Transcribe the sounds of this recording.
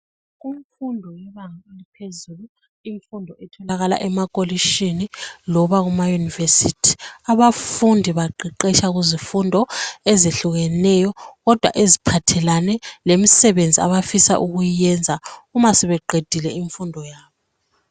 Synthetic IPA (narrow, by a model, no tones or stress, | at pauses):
ɣuɱfundʱɔjɛβaŋaelipʰezulu | iɱfundʱɔɛtʰɔlaɣala̰ʔɛmakʼoliʃinilɔβaɣumajunivesitʰi̥aβafundʱiβaǃiǃɛʃaɣuzifundʱɔɛzeɬuɣɛnɛjɔɣɔd̥ʱwa̰ʔezipʰatʰɛlanɛlemisɛβend͡zʱia̰βafisa̰ʔuɣujɛnd͡zʱaumasɛβɛǃʱed̥ʱilɛiɱfundʱɔjaːβɔ